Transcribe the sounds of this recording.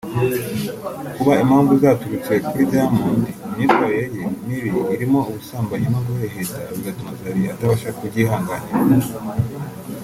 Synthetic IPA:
kuβaimhaːɱvuzaːtuɾut͡se̞kuɾidaamuːndiumɲiːtwajejemumiɾiβaɾimo̞uβusaːmbajimaɡuheheza̰βiɡatumazaɾiataβaʃaakuɟihaːŋɡaneɾa

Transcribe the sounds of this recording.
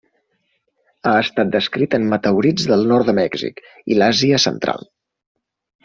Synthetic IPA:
aəst̪at̪̚d̪əskɾit̪əmmət̪əwɾid͡zðəlˠnɔɾt̪əmɛɡzḭk | ḭlaziəsə̰nt̪ɾa̰lˠ

